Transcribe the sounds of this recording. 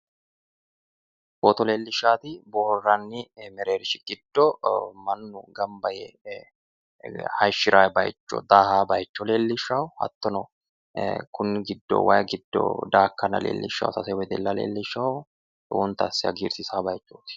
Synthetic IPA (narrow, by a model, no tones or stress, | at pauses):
boːt̪ɔleːlːɪʃːaːt̪ɪbɔrːɐnːɪmɛɾe̞ːɾɪʃɪɡ̥ɪd̪ːɔmɐnːʊɡɐmbɐjɛ̰ | hɐjʃːɪɾaːjbɐ̰jt͡ʃːɔ̰d̪aːhaːbɐjt͡ʃːɔle̞ːlːɪʃːɐwʊhɐ̰t̪ːɔnɔ | kʊnːɪɡɪd̪ːɔ̰wɐjɡɪd̪ːɔ̰d̪aːkːɐnɐ̰lḛːlːɪ̰ʃːɐ̰wsɐsɐwɔjd̪ɛ̰lːɐlḛːlːɪʃːɐwʊ | ʔɔʊnt̪ɐsːɪɐ̰ɡiːɾsɪsaːbɐjt͡ʃːoːt̪ɪ̥